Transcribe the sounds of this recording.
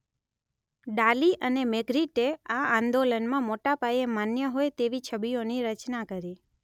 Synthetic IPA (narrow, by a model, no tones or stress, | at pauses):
ɖaliʔənemeɡɾiʈeaand̪olənmãmoʈapajemanjəɦojt̪eʋit͡ʃʰəbijoniɾət͡ʃnakəɾi